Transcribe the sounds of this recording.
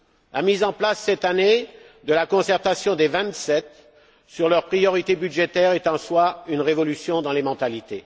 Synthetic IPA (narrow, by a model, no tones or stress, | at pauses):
lamizɑ̃plasːɛt̪ane | d̪əlakɔ̃sɛʁt̪asjɔ̃d̪evɛ̃t̪sɛt̪ | syʁlœʁpχijɔʁit̪ebyd̪ʒet̪ɛʁɛt̪ɑ̃swaynʁevɔlysjɔ̃d̪ɑ̃lemɑ̃t̪alit̪e